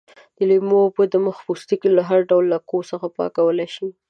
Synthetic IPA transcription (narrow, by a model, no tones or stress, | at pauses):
d̪əlijmopəd̪əməxpust̪ikilaɦaɾɖawlːakosəxapɑ̰kawəlajʃi